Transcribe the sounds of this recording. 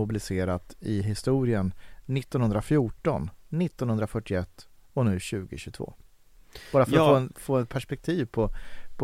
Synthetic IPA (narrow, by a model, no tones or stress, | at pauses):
ʊbɪlɪseːɾat̪ɪɦɪst̪uːɾɪənːɪt̪ːɔnhɵnd̪ɾafjuːʈɔ̰nːɪt̪ːɔnhɵnd̪ɾafœʈːɪɛt̪ː | ɔnʉ̟ːɕʉ̟ːɡɪɕʉt̪vo̰ː | bɑːɾafœɾɔfoːɛnfoːɛt̪̚pʰæʂpɛk̚t̪ʰiːvpʰɔpʰ